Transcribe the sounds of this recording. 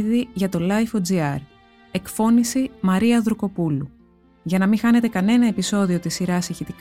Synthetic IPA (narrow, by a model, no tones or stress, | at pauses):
ðiʝɐt̪o̞lɐjfod͡ziɐɾ | e̞kfo̞nisimɐɾiɐðɾuko̞pulu | ʝɐnɐmixɐne̞t̪e̞kɐne̞nɐe̞piso̞ðio̞t̪isiɾɐsiçit̪ik